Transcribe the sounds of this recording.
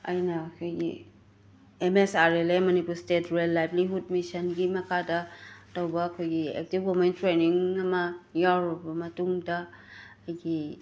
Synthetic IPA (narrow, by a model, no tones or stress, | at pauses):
ɐ̰jnɐːkʰojɡḭ | emesaɾelemɐnipulstetɾejlːajbliɦud̚misɐnɡimɐkʰadɐtowbɐːkʰojɡiḛk̚tipɡomentɾeniŋɐmɐjawɾɔbɐmɐtuŋdɐ | ɐjɡi